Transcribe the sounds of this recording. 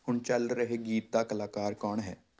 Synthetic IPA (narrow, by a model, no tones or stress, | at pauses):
hʊnt͡ʃɐlɾəɦeɡiːt̪̚d̪akəlaːkaːɾkɔːɳɦɛː